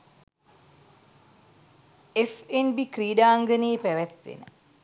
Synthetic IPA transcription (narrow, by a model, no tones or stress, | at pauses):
efenbikriːɖaːŋɡəneːpæʋæt̪ʋḛnə̰